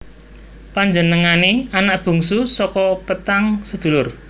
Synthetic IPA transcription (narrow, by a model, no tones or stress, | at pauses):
paɲd͡ʒənəŋaneanaʔb̥ṳŋsusɔkɔpət̪aŋsəd̪̥ṳlʊr